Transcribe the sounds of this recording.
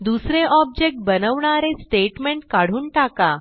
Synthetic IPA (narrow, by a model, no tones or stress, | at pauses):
d̪usɾeʔɔb̚d͡ʑek̚ʈ̚bənəʋɳaɾesʈeʈmeɳʈkaɽ̤uːnʈaka